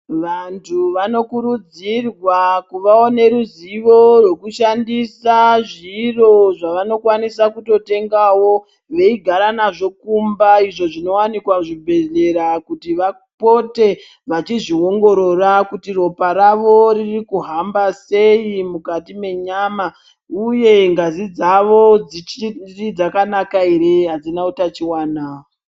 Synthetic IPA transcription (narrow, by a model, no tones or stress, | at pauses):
ʋantʰuʋano̞kuɾud͡zirwakuʋaone̞ɾuziʋo̞rwe̞kuʃandisaʐiro̞ʐaʋano̞kwanisakuto̞te̞ŋɡawo̞ | ʋeiɡʱaɾanaʐo̞kumbaiʐo̞ʐino̞wanikwaʐibʱe̞ɮe̞ɾakutiʋa | po̞te̞ | ʋat͡ʃiʐio̞ŋɡo̞ɾo̞rakutiro̞paɾaʋo̞ɾirikuɦambase̞imukatime̞ɲama | uje̞ŋɡazid͡zaʋo̞d͡zirid͡zakanakaeɾeɦad͡zinautat͡ʃiwaːnaːo